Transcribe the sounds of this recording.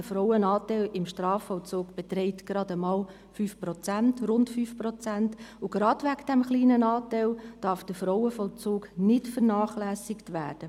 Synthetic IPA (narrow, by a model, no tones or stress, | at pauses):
dəfɾɔwənɑːtɛɪlɪmʃtɾɑːfɔʊt͡suːkb̥ɛtɾɛɪtɡ̥ɾɑdəmɑːl | fyːfprɔt͡sæntrʊntfyːfpɾɔt͡sæntʊɡ̥ɾɑdʋækd̥ɛmχliːnənɑːtæɪld̥ɑɾfd̥əfɾoʊəfɔlt͡sʊːknɪtfənɑːχlæːsɪktvæːd̥ə